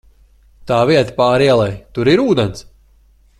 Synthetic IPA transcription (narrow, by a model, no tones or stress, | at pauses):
t̪aːviɛt̪ḁpaːɾiɛlˠɛjt̪uɾiɾuːd̪ɛns